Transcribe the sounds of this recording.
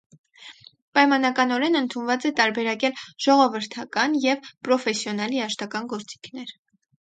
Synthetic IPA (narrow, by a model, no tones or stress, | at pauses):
pɑjmɑnɑkɑnɔɾɛnənt̪ʰunvɑt͡sɛt̪ɑɾbɛɾɑkɛlʒ̥ɔʁɔvəɾt̪ʰɑkɑnjɛvpɾɔfɛsjɔnɑliɑʃt̪ɑkɑnɡɔɾt͡si̥kʰnɛɾ